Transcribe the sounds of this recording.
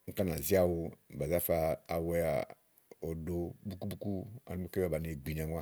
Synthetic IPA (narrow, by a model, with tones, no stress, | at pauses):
ŋ̩˦ka˦n˨a˨zi˦a˨wo˦˨ba˨za˦faː˨wɛ˦ja̰˨ | ɔ˨do˦bu˦ku˦bu˦ku˦a̰˨ni˦mo˦ke˦a˨ba˨ne˨ɡ͡bi˨ɲ˨a˨ŋwa˦